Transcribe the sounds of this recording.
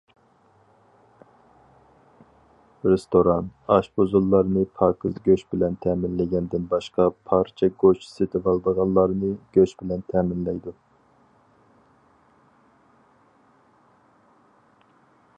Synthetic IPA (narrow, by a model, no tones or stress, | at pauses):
ɾest̪oɾɑnɑʃbozulˠːɑɾnɨpʰɑːkʰɨzɡʲøʃbɪlɛnt̪ʰɛmɪnlɪɡʲɛnd̪ɪnbɑʃqɑpʰɑɾt͡ʃʰɛɡot͡ʃsɪt̪ʰɪvɑlˠb̪əʁɑnlˠɑɾnɨɡ̥ʲøt͡ʃbɪlɛnt̪ʰɛːmɪnlɛjd̪u